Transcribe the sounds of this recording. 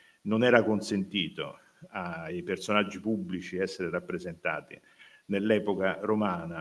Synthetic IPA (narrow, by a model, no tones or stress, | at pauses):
nonɛːɾakonsent̪iːt̪o̰ | aipersonad͡ʒːipubːlit͡ʃiɛsːeɾeɾapːɾezent̪a̰ːt̪ḭ | nelːɛːpokaromaːna